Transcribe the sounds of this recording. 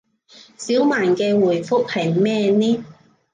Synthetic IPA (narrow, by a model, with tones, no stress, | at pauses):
siː˨˥wmaː˨˩nkɛː˧wuː˨˩jfʊ˥k̚hɐ˨˩jmɛː˥˧nɛː˥